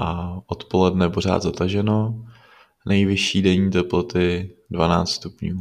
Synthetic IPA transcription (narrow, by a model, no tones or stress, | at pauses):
ʔaʔot̪po̞lɛdnɛpor̝a̰ːd̪zat̪aʒɛno̞ | nʔɛjvɪʃiːdɛɲiːt̪ɛplot̪ɪdvana̰ːt͡st̪st̪upɲuː